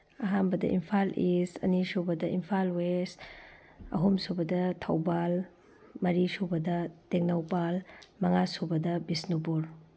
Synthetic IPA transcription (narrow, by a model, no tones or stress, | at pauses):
ɐɦanbɐdɐ̰ʔḭmpʰalʔisɐ̰nisubɐdɐʔimpʰalwes | ɐ̰ɦumsubɐdɐtʰɐwbal | mɐɾisubɐdɐteŋnɐwpalmɐŋasubɐdɐbisnupuɾ